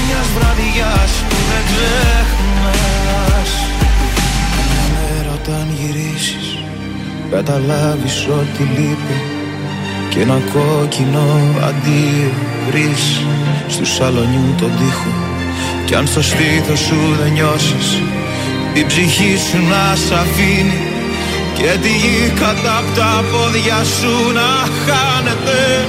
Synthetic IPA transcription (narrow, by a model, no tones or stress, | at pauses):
mɲɐzvɾɐðiʝɐspuðeŋɡzexunɐ | s | eɾot̪ɐnʝiɾisi̥s | kɐt̪ɐlɐviso̞t̪t̪ilipi | cenɐko̞cino̞ɐ̰nd̪io | vɾisst̪usɐlo̞ɲut̪o̞d̪ixo | ceɐ̰nθo̞st̪iθosuðeɲo̞sis | ibziçisunɐsɐfini | cet̪iʝikɐt̪ɐpot̪ɐpo̞ðʝɐsunɐ | xɐne̞t̪e̞